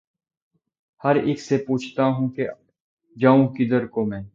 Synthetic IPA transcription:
həɾɪkʰseːpuːt͡ʃʰt̪aːɦũːke | d͡ʒaːũkid̪əɾkoːmɛ̃ː

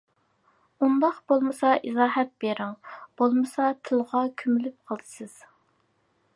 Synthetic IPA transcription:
und̪ɑqbolˠmɨsɑʔizɑːɦɛt̪̚b̥eɾɪŋb̥olˠmɨsɑt̪ʰɨlˠʁɑkʲʰymylyp̚qʰəlˠd̪ɨsɨz̥

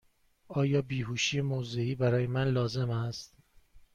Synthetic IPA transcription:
ɒːjɒːbiːɦuːʃiːemozeiːbæɾɒːje̞mænlɒːze̞mæst̪

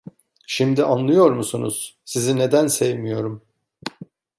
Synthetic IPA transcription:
ʃimd̪iʔanlˠɯjo̞ɾmusunṵz̥ | sizine̞d̪ænsevmijo̞ɾum

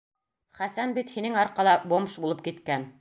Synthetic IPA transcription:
χæsænbit̪hinɘŋɑɾqɑlˠɑbomʃbulˠɤp̚kit̪kæn

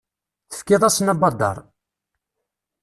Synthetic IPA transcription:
θə̥fkːɪðˤæsnæbɑd̪ˤɑ̰ɾˤ

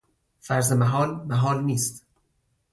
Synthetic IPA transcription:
fæɾzemæɦɒːlmæɦɒːlniːst̪

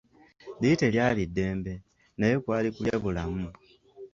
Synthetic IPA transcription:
diteljaːlidːe̞ːmbe̞ | nejokwaːlikuljaβulamu

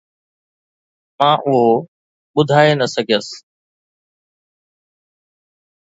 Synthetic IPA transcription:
mãːʔʊɦo | ɓʊd̪ʱaːenɐsəɡʱijəs

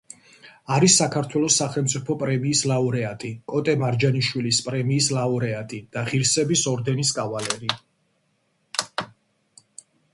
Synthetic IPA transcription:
aɾisːakʰaɾt̪ʰwɛlˠɔsaχɛlˠmt̪sʼipʰɔpʼɾɛmiːslauɾɛat̪ʼikʼɔt̪ʼɛmaɾd͡ʒaniʃwilispʼɾɛmiːslauɾɛat̪ʼid̪̥aʁiɾsɛbisɔɾd̪ɛniskʼavalɛɾi

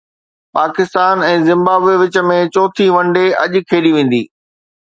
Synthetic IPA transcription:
paːkɪst̪aːnɛ̃ːzɪ̃mbaːbeʋɪt͡ɕə̆mẽt͡ɕoːt̪ʰiʋɐ̃ɳɖeɐ̰ʄkʰeːɗiʋẽːn̆d̪ḭː

